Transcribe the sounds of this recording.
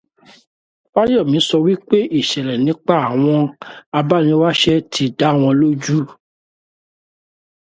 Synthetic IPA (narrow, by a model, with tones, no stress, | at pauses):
wa˦jɔ˦˨mĩ˨˦sɔ˧wi˦k͡pe˦ʔi˦˨ʃɛ˨ɾɛ˨nĩ˨˦k͡pa˦˨a˨w̃ɔ̃˧a˧ba˦nĩ˧˦wa˦ʃɛ˦tʰi˧da˨˦˨w̃ɔ̃˧lo˦d͡ʒu˦